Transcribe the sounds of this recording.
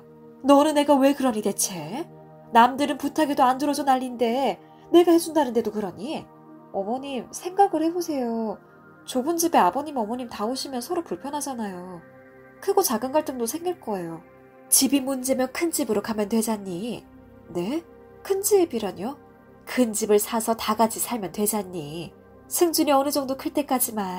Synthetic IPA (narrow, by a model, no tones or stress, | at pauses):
nʌnɯne̞ɡawe̞kɯɾʌɲide̞t͡ɕʰe̞ | namdɯɾɯnputʰaɡidoandɯɾʌd͡ʑonaʎːinde̞ | ne̞ɡahe̞d͡ʑundanɯnde̞dokɯɾʌɲi | ʌmʌɲimsʰe̞ŋɡaɡɯɭhe̞bosʰe̞jo | t͡ɕobund͡ʑibe̞abʌɲimʌmʌɲimtaoɕʰimjʌnsʰʌɾopuɭpʰjʌnɦad͡ʑanajo | kʰɯɡot͡ɕaɡɯnɡwaɭt͈ɯŋdosʰe̞ŋɡiɭk͈ʌe̞jo | t͡ɕibimund͡ʑe̞mjʌnkʰɯnd͡ʑibɯɾokamjʌntwe̞d͡ʑaɲːi | ne̞ | kʰɯnd͡ʑibiɾʌɲo | kɯnd͡ʑibɯɭsʰasʰʌtaɡad͡ʑisʰaɭmjʌntwe̞d͡ʑaɲːi | sʰɯŋd͡ʑuniʌnɯd͡ʑʌŋdokʰɯɭt͈e̞k͈ad͡ʑiman